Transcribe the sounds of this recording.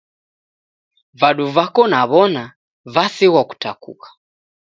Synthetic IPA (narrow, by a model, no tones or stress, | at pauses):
vaɗuvakɔnaβɔna | vasiwaku̥takṵkḁ